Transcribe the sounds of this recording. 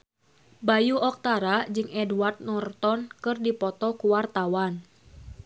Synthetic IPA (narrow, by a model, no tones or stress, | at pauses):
bajuɔk̚t̪aɾad͡ʒɨŋʔɛduart̪̚nɔrt̪ɔnkɨrdipɔt̪ɔkuwart̪awan